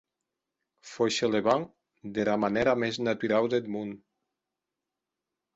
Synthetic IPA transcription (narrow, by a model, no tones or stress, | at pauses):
foʃeleβaŋ | d̪elamaneɾameznat̪uɾawd̪ed̪mun